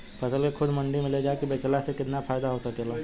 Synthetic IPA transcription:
pɐsəlkekʰʊd̪mɐ̃ɳɖimɪled͡ʒaːekibeːt͡ʃəlasekɪt̪napfʰaːjd̪aɦosɐkeːlaː

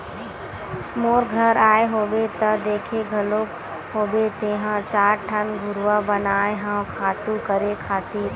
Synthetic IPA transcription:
moːɾɡʱɐɾaːeɦoːʋet̪ɐd̪eːkʰeɡʱɐlo | ɦoːbet̪eːɦãt͡ʃaːɾʈʰənɡʱʊɾʋabɐnaːeɦə̃kʰaːt̪ukɐɾekʰaːt̪i

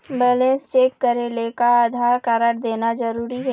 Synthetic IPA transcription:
beːlẽːnst͡ʃeːkːəɾelekaaːd̪ʱaːɾkaɾəɾd̪eːnazɐɾuːɾiɦɛː

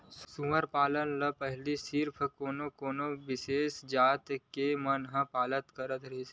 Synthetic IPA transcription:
sʊməɾpaːlənləpɛɦlisɪɾpʰkoːnokoːnoʋɪseːsd͡ʒaːt̪kemɐnɦãpaːlət̪kəɾət̪ɾɐis

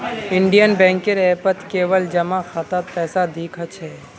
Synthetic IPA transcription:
ɪɳɖijənbɛ̃ːŋkeɾɛːpət̪keːʋəld͡ʒɐmakʰaːt̪apɛːsad̪ʱiːkʰət͡ʃʰɛː

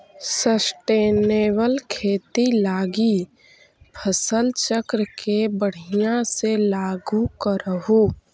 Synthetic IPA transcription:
səsʈeːneːwəlkʰeːt̪ilaːɡi | pʰəsəlt͡ʃəkɾəkebəɽ̤ijãselaːɡukəɾəɦu

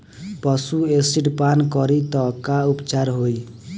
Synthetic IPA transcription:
pʌsuesiʈpankʌɾit̪ʌkaupt͡ʃaɾɦoj

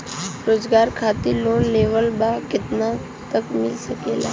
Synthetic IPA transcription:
ɾoːzɡaːɾkʰaːt̪iloːnleːʋəlbakɪt̪na | t̪əkmɪlsɐkeːla̰ː

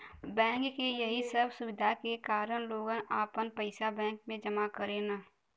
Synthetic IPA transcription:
bɛ̃ːŋkːejəɦisəbsʊwɪd̪ʱakekaːɾəñloːɡənaːpənpəɪsabɛ̃ːŋk̚mẽd͡ʒəmakəɾenaː

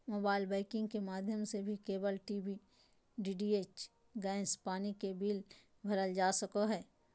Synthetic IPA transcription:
moːbaːɪlbɛːɪkɪ̃ŋɡkemaːd̪ʱjəmsebʱikeːbəlʈiːbi | ɖiːɖiːeːt͡ʃ | ɡãːɪ̃spaːnikebiːl | bʱɐɾəld͡ʒaːsəkoɦɛː

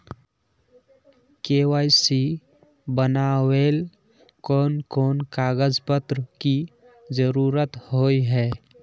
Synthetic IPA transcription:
kewaːjsi | bənawel | kɔːnkɔːnkaːɡəd͡ʒpət̪ɾəki | d͡ʒəɾuɾət̪ɦoiɦɛ

